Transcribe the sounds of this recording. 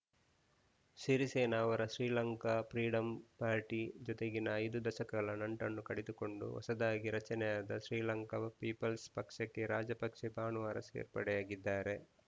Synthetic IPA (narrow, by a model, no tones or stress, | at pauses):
ʃiɾiseːnaːʋɐɾɐʃɾiːlɐŋkapɾiːɽɐmpaːɾʈid͡ʒɔt̪eɡinɐːjd̪ud̪ɐʃɐkɐɡɐɭɐnɐɳʈɐnːukɐɽed̪uko̞ɳɖṵʋɐ̰sɐd̪aːɡiɾɐt͡ʃɐnɛjaːd̪ɐʃɾiːlɐŋkɐɐpiːpɐlspɐkʂɐkːe̞ɾaːd͡ʒɐpɐkʂebaːnuʋaːɾɐ̰sḛːɾpɐɽɛjaːɡid̪ːaːɾe̞